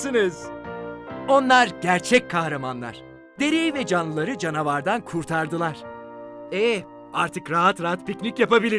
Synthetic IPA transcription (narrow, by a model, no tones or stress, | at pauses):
iniz̥ | o̞nlˠaɾɟæɾt͡ʃʰɛc̚kʰːahɾamanlˠa̰ɾ̥ | d̪e̞ɾejivɛd͡ʒanlˠɯlˠaɾɯd͡ʒanavaɾd̪ankʰuɾt̪ʰaɾd̪ɯlˠaɾ̥ | ɛ | aɾt̪ʰɯkɾaɦat̪ɾaɦat̪picʲnicjapabilʲi